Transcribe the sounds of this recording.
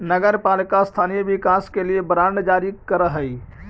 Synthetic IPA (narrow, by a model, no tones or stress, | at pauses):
nəɡəɾpalikast̪ʰanijəbikaskeliebɾaɳɖd͡ʒaɾikəɾəɦəj